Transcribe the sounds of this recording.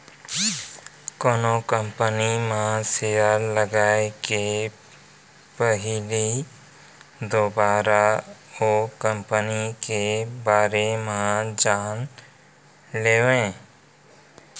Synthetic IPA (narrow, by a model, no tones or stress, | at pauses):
koːnokə̃mpənimãsealəɡaːeke | pəɦɪli | d̪oːbaːɾaoːkəmpənikebaːɾemãd͡ʒaːn | leːʋẽː